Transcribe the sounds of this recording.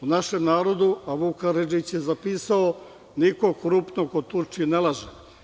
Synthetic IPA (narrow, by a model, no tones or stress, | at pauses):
unaʃe̞mnaːɾo̞d̪uaʋukaɾed͡ʒit͡ɕjezapiːsao | niko̞kɾupnokot̪uɾt͡ʃiinelˠaʒe